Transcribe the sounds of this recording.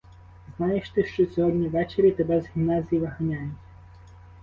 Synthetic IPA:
znɑjeʃt̪ɪʃt͡ʃɔsʲɔɦɔdʲnʲiʋɛt͡ʃeɾʲit̪ebɛzɦʲimnɑzʲijiʋɐɦɐnʲajʊtʲ

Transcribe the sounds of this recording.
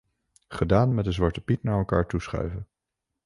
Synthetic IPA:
χədaːnmɛtdənzʋɑɹtəpitnaːɹɛlˠka̰ːɹtusχœ̰ɥvən

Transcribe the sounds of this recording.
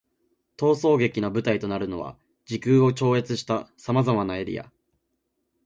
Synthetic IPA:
t̪o̞ːso̞ːɡe̞kʲinabɯ̟t̪ait̪o̞naɾɯ̟no̞βa̰ | d͡ʑikɯ̟ːo̞t͡ɕo̞ːe̞t͡sɨɕi̥t̪asamazamanaeɾʲḭja̰

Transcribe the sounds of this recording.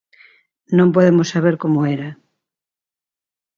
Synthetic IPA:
nõmpoðemosaβeɾkomoeɾɐ

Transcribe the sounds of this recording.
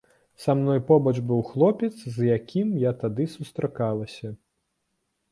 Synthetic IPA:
samnɔjpɔbɐʐbɨwxlˠɔpʲɛt̪szjakʲʰimjat̪ad̪ɨsust̪ɾakalˠɐsʲɐ

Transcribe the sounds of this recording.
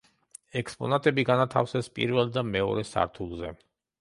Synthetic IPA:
ɛkspʼɔ̰nat̪ʼɛbiɡanat̪ʰafsɛspʼḭɾvɛlˠd̪amɛɔ̰ɾɛsa̰ɾt̪ʰulˠzɛ

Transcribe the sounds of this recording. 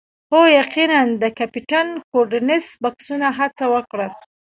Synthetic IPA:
xojaqinand̪əkapiʈankoɖanɪsbaksunaɦat͡sawəkɽəl

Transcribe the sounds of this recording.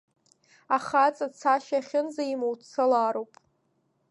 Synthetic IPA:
aχat͡sʼat͡sʰaʃaχʲɪnzaimowt͡sʰalaːɾowpʼ

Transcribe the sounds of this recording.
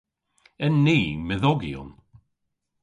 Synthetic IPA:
ɛnːiːmɪðɔɡiʊ̰n

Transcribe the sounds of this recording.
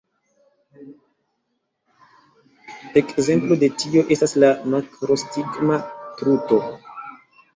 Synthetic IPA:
e̞kze̞mplo̞de̞tio̞ʔe̞staslamakɾo̞stiɡmatɾuto̞

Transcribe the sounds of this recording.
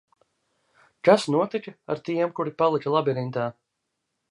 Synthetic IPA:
kasnuɔt̪ikaa̰ɾt̪iɛmkuɾipalˠikɐlˠabiɾint̪aː

